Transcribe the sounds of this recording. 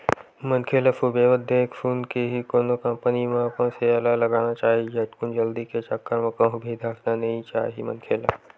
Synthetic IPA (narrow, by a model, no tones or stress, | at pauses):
mɐnkʰeːlafubeːʋəd̪ʱeːkfʰuːnkeɦikoːnokɐ̃mpənimãkõseɐlalɐɡaːnat͡ʃaːɦiet̪kʊnd͡ʒɐld̪iket͡ʃɐkːəɾməkõɦʊbʱid̪ʱaːknanɐɦĩt͡ʃa̰ːɦimɐ̰̃nkʰeːla̰